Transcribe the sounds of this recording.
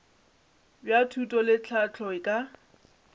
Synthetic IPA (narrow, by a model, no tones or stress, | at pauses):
bjatʰutʼɔlɪt͡ɬʰat͡ɬʰɔɪkʼa